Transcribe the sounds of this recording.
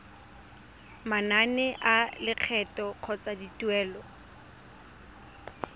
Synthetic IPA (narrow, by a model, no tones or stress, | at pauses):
mananɛʔalɪq͡χʰɛtʼɔq͡χʰɔt͡sʼaditʼwɛːlɔ